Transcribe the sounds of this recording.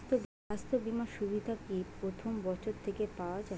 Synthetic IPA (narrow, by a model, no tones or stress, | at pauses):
t̪ob | ast̪obimaʃubid̪ʱakipɾot̪ʰombɔt͡ɕʰoɾt̪ʰekepaoad͡ʑa